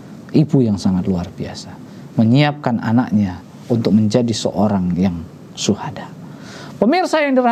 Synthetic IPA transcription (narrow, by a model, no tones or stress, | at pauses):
ʔibujaŋsaŋat̪luarbia̰sḁ | məɲiap̚kanʔa̰na̰k̚ɲa | unt̪ʊk̚məɲd͡ʒadisə̰ʔoɾaŋjaŋ | suhada | pəmirsajaŋdər